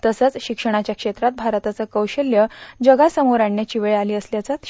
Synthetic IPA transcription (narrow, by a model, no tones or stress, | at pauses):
t̪əsət͡sɕikʂəɽ̃at͡ɕjakʂet̪ɾat̪̚bʱaɾt̪at͡səkəwɕəljəd͡ʑəɡasəmoɾaɳːet͡ɕiʋeɭealiːəsljat͡sat̪